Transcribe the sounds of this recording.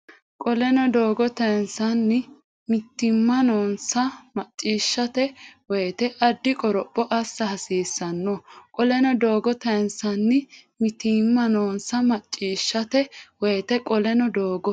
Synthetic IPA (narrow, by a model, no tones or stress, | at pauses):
kʼɔlɛnɔd̪oːɡɔt̪ɐnsɐnːɪ | mɪt̪ːɪmːɐnoːnsɐmɐt͡ʃʼːiːʃːɐt̪ɛwɔjt̪ɛʔɐd̪ːɪkʼɔɾɔpʼːɔʔɐsːɐhɐsiːsːɐnːɔkʼɔlɛnɔd̪oːɡɔt̪ɐnsɐnːɪmɪt̪imːɐnoːnsɐmɐt͡ʃʼːiːʃːɐt̪ɛwɔjt̪ɛkʼɔlɛnɔd̪oːɡɔ